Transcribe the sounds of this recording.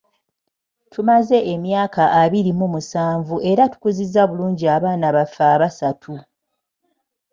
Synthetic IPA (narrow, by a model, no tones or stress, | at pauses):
tʰumaze̞ʔemjaːkaʔːβiɾimumusaːɱvuʔe̞ɾatu̥kuzizːaβuluːɲɟiaβaːnaβafaːβasatʰu